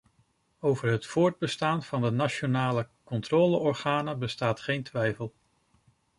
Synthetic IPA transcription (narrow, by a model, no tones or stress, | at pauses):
owvəɹɦətfʊːɹd̚bəstaːnv̥ɑndənat͡ʃonaːləkɔntrɔːləɔɹχaːnəbəstaːtχejntʋɛjfəlˠ